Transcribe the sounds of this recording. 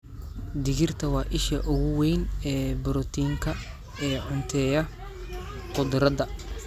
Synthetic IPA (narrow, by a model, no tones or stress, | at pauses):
d̪ɪɣɪrt̪ʰɐwɑːʔɪʃɐ̰ʔʊɣʊwɛjnɛːbʊɾɔt̪ʰiːŋkʰɐ | ɛːʕʊnt̪ʰɛːjɐ | qʊd̪ɾɐd̪ɐ